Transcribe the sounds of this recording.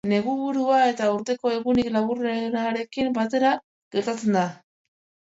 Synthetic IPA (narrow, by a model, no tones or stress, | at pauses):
ne̞ɣuβuɾuae̞t̪auɾt̪e̞ko̞e̞ɣuniklaβureɾaɾe̞kimbat̪e̞ɾa | ɣ̥e̞ɾt̪at͡send̪a